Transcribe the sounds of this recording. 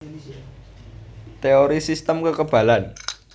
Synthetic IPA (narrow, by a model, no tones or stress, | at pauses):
t̪eoɾisist̪əmkəkəb̥ä̤lan